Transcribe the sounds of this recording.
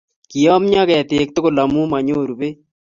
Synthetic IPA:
ki˨jɔ˦mɲa˦kɛ˨t̪e˨k̚t̪ʊ˦kʊ˦˨lɐ˨mu˦ma˨ɲo˦˨ɾu˨pe˦

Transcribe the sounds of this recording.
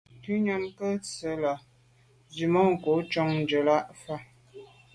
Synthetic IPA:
ti˦ɲa˦mkə˦t͡sə˨˦la˨ | zi˨mɔ˦ŋ̩˨ko˨˦t͡ʃɔ˦ŋn˨d͡ʒə˨la˦ʔfa˦˨

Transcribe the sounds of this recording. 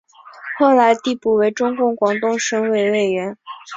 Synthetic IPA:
xo˥˩ʊla˧˥ɪt̪i˥˧pu˥˩we˧˥ɪʈ͡ʂʊ˥ŋkʊ˥˩ŋkwɑ˨˩ŋt̪ʊ˥˧ŋʂɤ˧˥ŋwe˨˩ɪwe˥˩ɪɥɛ˧˥n

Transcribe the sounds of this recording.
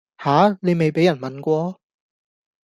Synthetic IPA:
haː˨˥ne˨˧jme˨jpe˨˥jɐ˨˩nmɐ˨nkʷɔː˧

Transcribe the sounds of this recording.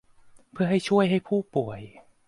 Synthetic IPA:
pʰɯ˥˩ɦa˥˩jt͡ɕʰu˥˩əjɦa˥˩jpʰuː˥˩pu˨˩əj

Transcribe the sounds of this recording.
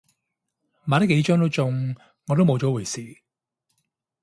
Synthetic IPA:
maː˨˧ɾke˨˥jt͡ʃœː˥ŋt̪o˥wt͡sʊ˧ŋ | ŋɔː˨˧t̪̬o˥mo˨˧wt͡ʃɔ˨˥wu˨˩jsiː˨˩

